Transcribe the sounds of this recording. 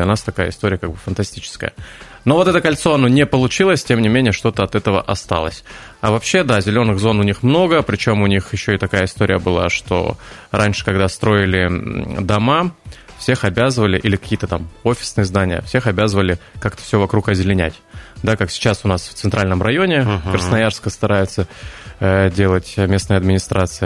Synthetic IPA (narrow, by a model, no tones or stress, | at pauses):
lʲɐnast̪ɐkajə̰ɪ̰st̪o̞ɾʲɪjəkaɡ̚bɨfənt̪ɐsʲtʲit͡ɕɪ̥skə̰jə̰ | no̞vo̞t̪ɛt̪əkɐlʲt̪so̞ɐno̞nʲɪpəlˠʊt͡ɕilˠəsʲtʲemnʲɪmʲenʲɪjəʂt̪o̞t̪əɐt̪ɛt̪əvə̰ʔɐst̪a̰lˠə̰sʲ | ɐvɐpɕːe̞d̪azʲɪlʲo̞nːɨɣzo̞nʊnʲixmno̞ɡəpɾʲɪt͡ɕo̞mʊnʲixjɪɕːo̞ɪt̪ɐkajəɪst̪o̞ɾʲɪjəbɨlˠa̰ʂt̪o̰ɾʔanʲʂɨ̥kɐɡd̪ast̪ɾo̞ɪlʲɪd̪ɐma | fsʲe̞xɐbʲazəvəlʲɪʔilʲɪkɐ̥kʲijət̪ət̪amo̞fʲɪ̥snɨjəzd̪anʲɪjə̰fsʲe̞xɐbʲazəvəlʲɪkak̚t̪ə̥fsʲovɐkɾukɐzʲɪlʲɪnʲæ̰tʲd̪akaksʲɪ̥t͡ɕasʊnasft̪sɨnt̪ɾalʲnəmɾɐjo̞nʲɪkɾəsnɐjarskəst̪ɐɾajʊt̪sə | dʲe̞lˠətʲmʲe̞snəjəɐd̪mʲɪnʲɪst̪ɾat̪sɨjə